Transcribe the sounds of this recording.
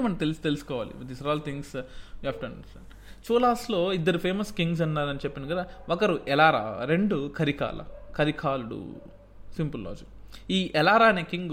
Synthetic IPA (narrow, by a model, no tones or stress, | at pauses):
mɐn̚t̪elst̪elusu̥kɔːʋa̰ːlḭd̪isaɾaːlt̪ʰiŋɡsjaːpʈɐnsɐ | t͡ʃuːlaːslo̞ːid̪ːɐɾupʰe̞ːmɐskiŋɡs̬ɐnːaːɾɐnit͡ʃepːinɐɡɐd̪aːɔkɐɾuʔɛlaːɾa̰ːɾe̞ɳɖukʰɐɾika̰ːlʔɐ̰kʰɐɾikʰaːluɽṵ | simpullɔ̰ːd͡ʒikiːʔɛlaːɾaːɐneːkiŋɡ